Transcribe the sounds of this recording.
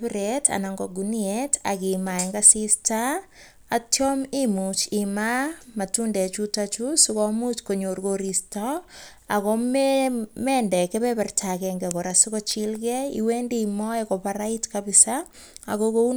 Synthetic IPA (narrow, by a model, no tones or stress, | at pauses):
pɪɾetʰa̰naŋɡɔɡunieta̰kimaeŋɡasistaː | tjɔmimut͡ʃimamatundɛt͡ʃutat͡ʃusikɔmut͡ʃkoɲorɡoɾistɔ | akommendɛkɛβɛpɛrtʰakɛŋɡɛkoɾasikɔt͡ʃilɡɛḭwendimɔekɔpaɾaitkabɪsa̰ː | kokou